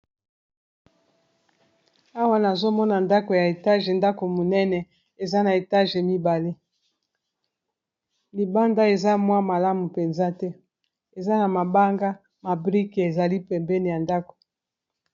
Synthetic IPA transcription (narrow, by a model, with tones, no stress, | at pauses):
a˦wa˦na˨zo˦mɔ˦na˨nda˦ko˨ja˨e˨ta˦ʒe˨nda˦ko˨mo˨nɛ˦nɛ˨ | e˨za˦na˨e˨ta˦ʒe˨mi˦ba˨le˦ | li˨ba˦nda˦e˨za˦mwa˦ma˨la˦mu˨pe˨nza˦tɛ˦ | e˨za˦na˨ma˨ba˦ŋɡa˦ | ma˨bʁi˦ke˨e˨za˨li˦pɛ˨mbɛ˦ni˨ja˨nda˦ko̥˨